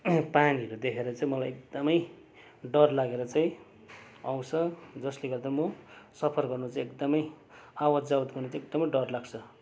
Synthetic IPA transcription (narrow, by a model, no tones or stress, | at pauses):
paniɦʌɾud̪ekʰeɾʌt͡saĩmʌlajek̚d̪ʌmʌj | ɖʌrlaɡeɾʌt͡saĩ | aw̃t͡sʰʌd͡zʌsleɡʌrd̪amʌsʌpʰʌrɡʌrnut͡saĩekd̪ʌmʌj | awʌd͡zawt̪ɡʌrnt͡sãek̚d̪ʌmʌjɖʌrlaɡt͡sʰʌ